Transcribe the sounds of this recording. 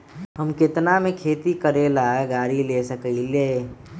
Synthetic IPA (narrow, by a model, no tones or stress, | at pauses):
ɦəmkɪt̪namẽkʰeːt̪ikəɾeːlaːeɡaːɾileːsəkəile